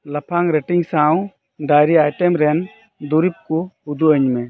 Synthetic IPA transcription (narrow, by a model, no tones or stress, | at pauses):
lapʰaŋɾɛʈiŋsaw | ɖajɾiajʈɛmɾɛn | d̪uɾip̚kuud̪uʔəɲmɛ